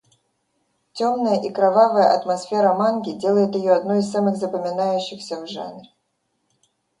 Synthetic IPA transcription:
tʲomnəjəʔikɾɐvavəjə̰ʔɐt̪mɐsfʲe̞ɾəmanɡʲɪdʲe̞lˠəjɪt̪jɪjoɐd̪no̞ɪssamɨɣzəpəmʲɪnajʉɕːɪxsʲəvʐa̰nrʲ

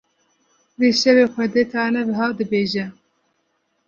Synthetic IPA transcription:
veːʃɛveːxʷɛd̪et̪ʰɑːnɛvɨɦɑːd̪ɨbeːʒɛ

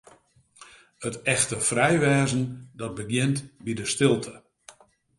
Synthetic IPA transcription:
ətɛxtəfrɛjʋɛːzən̩dɔt̚bəɡjɪntbidəstɪlˠtʰə

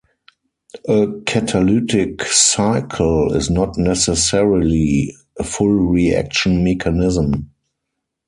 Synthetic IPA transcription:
ʔəkʰætʰalutɪksaɪkʰəlɪ̰znɔtnɛsɛsɛɹili | əfʊlɹiæ̰k̚ʃə̃nmɛkʰanɪzə̃m

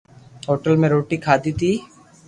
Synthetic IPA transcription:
ɦɔːʈəlmẽɾoːʈikʰaːd̪it̪iː

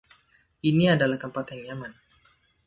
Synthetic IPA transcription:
ʔiniadalahkəmpat̪aŋɲaman

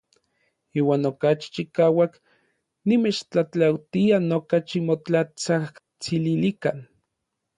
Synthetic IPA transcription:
iːwaːnokat͡ʃi̥t͡ʃikaːwak | nimet͡ʃt͡ɬat͡ɬawt̪ianokat͡ʃimot͡ɬat͡sah | t͡sililikan

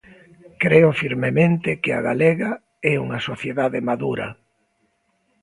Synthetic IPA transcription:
kɾeʊfiɾmemẽnt̪ɪkɪa̰ɣalɛɣɐ | ɛṵŋɐsoθjeðaðemaðuɾɐ̰

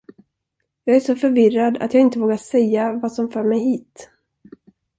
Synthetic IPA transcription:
jɑːɡæʂɔfœɾvɪrad̪a̰t̪jɑːɡɪnt̪əvoːɡaʂɛjːavaːsɔmfœːɾmɛjɦiːt̪

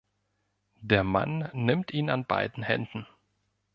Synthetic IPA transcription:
deːɐma̰nːɪmtʔiːnanba̰ɪdn̩hɛ̰ndn̩

